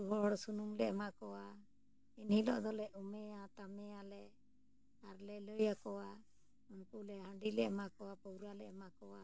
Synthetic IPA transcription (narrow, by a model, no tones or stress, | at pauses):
uɦɔɽsunuŋlɛʔmakɔwa | inhilɔʔd̪ɔlɛʔumɛat̪amɛalɛ | aɾlɛləjakɔwa | unkulɛhə̃ɳɖilɛʔmakɔwapɔwɾalɛʔmakɔwa